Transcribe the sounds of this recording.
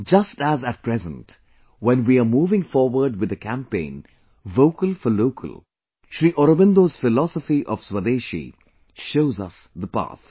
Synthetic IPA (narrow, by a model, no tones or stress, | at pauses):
d͡ʒʌstæzæt̚pɾɛzə̃nt | wɛ̃nwiamuːvɪ̃ŋfɔːɾwəɾɖ̚wɨd̪ɨkʰæ̃mpẽɪ̃n | voʊkəlfəloʊkʰə̰lˠ | ʃɾiːʔɔɾəbɪ̃nd̪oːz̥fɪlɔsəfiʔɔv̥swəd̪eːʃḭ | ʃoʊzʌsðəpa̰ːθ